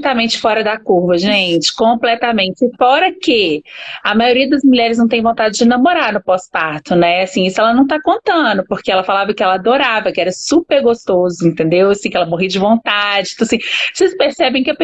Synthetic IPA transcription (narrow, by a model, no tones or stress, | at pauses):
t̪amẽnt͡ʃɪ̥fɔɾɐd̪akuɾvɐʒẽt͡ʃɪ̥kõplɛt̪amẽt͡ʃɪfɔɾɐkeɐmajoɾiɐd̪ɐzmuʎɛɾɪznɐ̃w̃t̪ẽj̃võnt̪ad͡ʒɪd͡ʒɪnɐmoɾaɾnʊpɔspaɾt̪ʊnɛasĩisʊɛlɐnɐ̃w̃t̪akõnt̪ɐ̃d̪ʊpoɾkeɛlɐfalavɐkɪɛlɐad̪oɾavɐkɪɛɾɐsupeɾɡost̪ozʊĩnt̪ẽnd̪ewasĩkɪɛlɐmoɦid͡ʒɪvõnt̪ad͡ʒɪ̃t̪ɐ̃ɐasĩsespeɾsɛbẽj̃kɪɐpe